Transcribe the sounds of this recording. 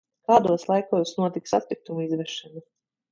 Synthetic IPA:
kaːd̪uɔslˠajkoːsnuɔt̪iksa̰t̪̚pik̚t̪umuizvɛʃanu

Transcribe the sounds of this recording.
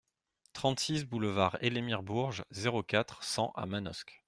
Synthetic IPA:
t̪χɑ̃t̪sis̬buləvaʁelemiʁbuʁʒzeʁokat̪χsɑ̃ʔa̰manɔ̰sk

